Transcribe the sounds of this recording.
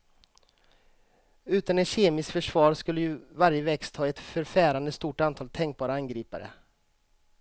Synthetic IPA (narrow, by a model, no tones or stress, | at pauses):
ʉ̟ːt̪anɛnɕeːmɪskfœʂvɑːɾskɵlːəjɵvaɾjəvɛkst̪ʰɑːɛt̪fœɾfæːɾand̪əst̪uːʈant̪ʰɑːlt̪ʰɛŋk̚bɑːɾaanɡɾiːpa̰ɾə̰